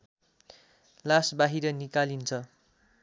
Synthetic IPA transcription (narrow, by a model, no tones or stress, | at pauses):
lasbaɦiɾʌnikalint͡sʰʌ